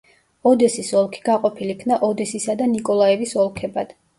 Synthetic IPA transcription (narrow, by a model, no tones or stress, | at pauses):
ɔd̪ɛsisɔlˠkʰi̥ɡaqʼɔpʰilikʰnaʔɔd̪ɛsisad̪anikʼɔlˠaɛvisɔlˠkʰɛbad̪̥